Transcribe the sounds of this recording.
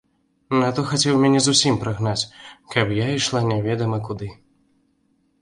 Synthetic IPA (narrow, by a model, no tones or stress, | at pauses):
nat̪ɔxat͡sʲɛwmʲɛnʲɛzusʲimpɾaɣnat͡sʲkɐpjaiʂlˠanʲɛvʲɛd̪ɐmɐkud̪ɨ